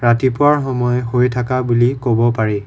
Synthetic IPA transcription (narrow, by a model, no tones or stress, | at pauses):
ɹatipʊwaɹxɔmɔjɦojtʰakabulikobɔpaɹi